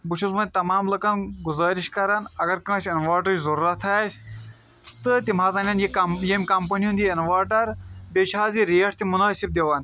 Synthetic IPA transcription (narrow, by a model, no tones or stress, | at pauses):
but͡ʃʰuzmɐn̚ʲt̪ɐmaːmlɐkɐnɡuzaːɾiʃkɐɾɐnɐɡɐɾkɐ̃ːt͡ʃɐnʋaːʈɐt͡ʃzɐɾuɾɐt̪ʰaːsʲ | t̪ɨt̪imaːzɐːnʲaːnjiɐjemʲkɐmpɐnjũnd̪iɐnʋaːʈɐɾbet͡ʃʰaːziɾijɐʈʰt̪imunaːsib̚d̪eʋan